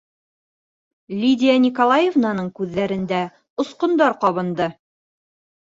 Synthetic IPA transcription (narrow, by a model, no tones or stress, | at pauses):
lʲidʲɪjanʲikolˠajevnɑnɤɴkʉðːæɾɘ̆nd̪æ | ŏsqŏnd̪ɑɾqɒβɤ̆nd̪ɤ